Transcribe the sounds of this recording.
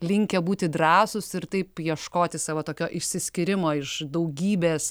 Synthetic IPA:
lʲɪŋʲkʲɛbuːt̪ʲɪd̪ɾɑːsʊsɪɾt̪ɐɪpjiɛʃkoːt̪ʲɪsɑːʋoːt̪oːkʲoːʔɪʃʲsʲɪsʲkʲɪɾʲɪmoːɪʃd̪ɐʊɡʲiːbʲeːs

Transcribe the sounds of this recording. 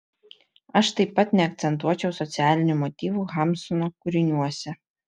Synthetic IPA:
ɐʃt̪ɐɪpːɐt̪nʲɛɐk̚t̪sʲɛnt̪̬uɔt͡ʃʲɛʊsɔt̪sʲæːlʲɪnʲumɔt̪ʲiːʋuɣɑmsɔnoːkʊɾʲɪnʲuɔsʲɛ

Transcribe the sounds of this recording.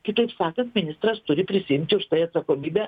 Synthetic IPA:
kʲɪt̪ɐɪpsɑːkɐnt̪mʲɪnʲɪst̪ɾɐst̪ʊɾʲɪpʲɾʲɪsʲɪjɪmʲt̪ʲɪʊʃt̪ɐɪɐt̪sɐkoːmʲiːbʲæː

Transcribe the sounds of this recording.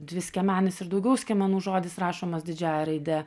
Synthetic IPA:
d̪ʲʋʲɪsʲkʲɛmʲæːnʲɪsɪɾd̪ɒʊɡʲɛʊsʲkʲɛmɐnuːʒoːd̪ʲɪsrɑːʃoːmɐsd̪ʲɪd͡ʒʲæːjɛɾɐɪd̪ʲɛ

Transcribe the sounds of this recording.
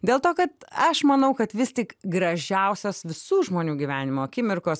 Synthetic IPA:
d̪ʲeːlˠt̪oːkɐt̪ɐʃmɐnɐʊkɐt̪ʋʲɪst̪ʲɪkɡɾɐʒʲɛʊsʲoːsʋʲɪsuːʒmoːnʲuːɡʲiːʋʲæːnʲɪmoːkʲɪmʲɪrkoːs

